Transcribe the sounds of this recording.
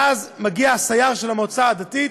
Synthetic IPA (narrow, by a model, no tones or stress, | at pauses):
azmaɡiaasajaʁʃɛlamɔt͡saːd̪ati